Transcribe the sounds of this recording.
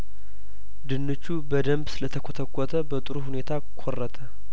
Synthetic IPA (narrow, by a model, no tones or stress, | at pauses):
d̪ɨnːɨt͡ʃːubəd̪əmbsɨlət̪ʰəkʷʰot̪ʰəkʷʼːɔt̪ʰəbət̪ʼɨɾuhune̞t̪ʰa | kʰorːət̪ʰə